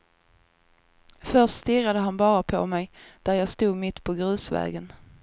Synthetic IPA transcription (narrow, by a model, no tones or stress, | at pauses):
fœʂʈst̪ɪrːad̪əɦanbɑːɾapʰɔ̰mɛjd̪̥æɾjɑːst̪uːd̪mɪt̪ːpʰɔɡɾʉ̟ːsvɛ̰ːɡən